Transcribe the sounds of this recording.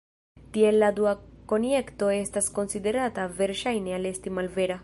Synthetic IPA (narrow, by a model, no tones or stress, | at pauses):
tie̞lːaduako̞nje̞kto̞e̞stasko̞nside̞ɾatave̞ɾʃajne̞ale̞stimalve̞ɾa